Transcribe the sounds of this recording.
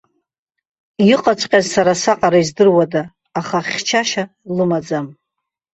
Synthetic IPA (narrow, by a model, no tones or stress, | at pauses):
jiqʼat͡ʃʷʼqʲʼazsaɾasaqʼaɾaizdɨrwadaː | χaχʲt͡ʃʰaʃa | lɨmad͡zam